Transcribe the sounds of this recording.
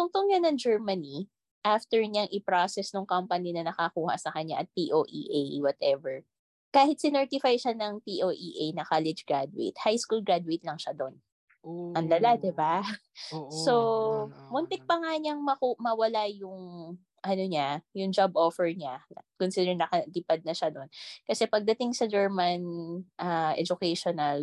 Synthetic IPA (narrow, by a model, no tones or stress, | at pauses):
t̪ʊŋt̪ʊŋɲanɐŋd͡ʒɛɹmɐni | ʔaft̪ɛɹɲaŋʔɪpɾasɛsnʊŋkampɐninɐnɐkɐkuːhɐ̰sɐkɐɲːaʔɐt̪̚piʔoʔḭːʔejwɐt̪ʔɛvɛɹ | kaːhɪt̪sɪnɛɹt̪ɪfajʃanɐŋpiʔoːʔiʔejnɐkalɪd͡ʒɡɹad̪wḛt̪hajskulɡɹad̪wejt̪̚lɐŋʃad̪on | ʔɐnlɐlad̪ɪba | somʊnt̪ɪk̚pɐŋaɲɐŋmɐkumɐwɐlajʊŋ | ʔɐnoɲajʊŋd͡ʒabʔofɛɹɲaɐkʊnsid̪ɛɹnɐkɐlipɐd̪̚nɐʃad̪o̞nkɐsɛpɐɡ̚d̪ɐt̪ɪŋsɐd͡ʒɛɹmɐnʔaʔɛ̰d͡ʒʊkɛjʃonɐl